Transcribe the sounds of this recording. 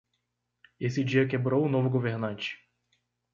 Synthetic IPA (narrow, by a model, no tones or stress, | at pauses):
esɪd͡ʒiɐkebɾowʊnovʊɡoveɾnɐ̃nt͡ʃɪ̥